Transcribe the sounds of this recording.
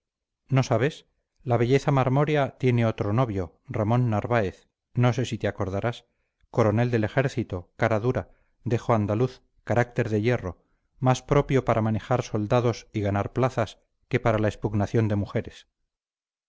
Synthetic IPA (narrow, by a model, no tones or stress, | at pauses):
no̞saβ̞e̞s | laβe̞ʎe̞θamaɾmo̞ɾjat̪je̞ne̞o̞t̪ɾo̞no̞βjo̞ | ramõ̞nːaɾβaeθ | no̞se̞sit̪eako̞ɾð̞aɾas | ko̞ɾo̞ne̞ld̪e̞le̞xe̞ɾθit̪o̞kaɾaðuɾa | d̪e̞xoand̪aluθ | kaɾak̚t̪e̞ɾðe̞je̞ro̞ | maspɾo̞pjo̞paɾamane̞xaɾso̞ld̪aðo̞siɣanaɾplaθas | ke̞paɾalaespuɣnaθjo̞nd̪emuxe̞ɾe̞s